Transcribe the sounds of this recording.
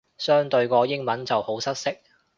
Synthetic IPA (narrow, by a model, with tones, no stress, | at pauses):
sœː˥ŋt̪ɵ˧ɥkɔː˧jɪ˥ŋmɐ˨˥nt͡sɐ˨who˨˥wsɐ˥t̚sɪ˥k̚